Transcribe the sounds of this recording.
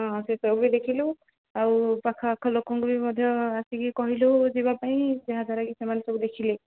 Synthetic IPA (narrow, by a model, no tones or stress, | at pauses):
ɔ̃asesɔbid̪ekʰilo | aupakʰakʰɔlokɔŋɡubimɔd̪ʱjɔasikikɔɦilozibapaĩseɦazaɾaɡisamanesɔbud̪ekʰile